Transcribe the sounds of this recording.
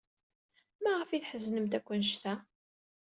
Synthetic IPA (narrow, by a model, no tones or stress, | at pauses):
mæʁəfiθħəznəmt̪ækʷːənʃt̪æ